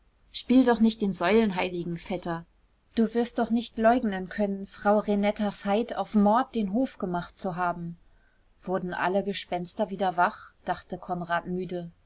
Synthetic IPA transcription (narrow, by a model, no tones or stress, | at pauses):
ʃpiːldɔχnɪçt̚d̥eːnzɔʏlənɦaɪlɪɡŋ̩fɛtɐ | d̥uːvɪɐst̚d̥ɔχnɪçtlɔʏɡnənkʰœnənfʁ̥aʊʁenɛtafaɪta̰ʊfmɔɐt̚d̥eːnɦoːfɡ̥əmaχtt͡suɦaːbm̩ | v̥ʊɐdn̩ʔa̰ləɡəʃpɛnstɐviːdɐvaχd̥aχtəkʰɔnʁaːtmyːdə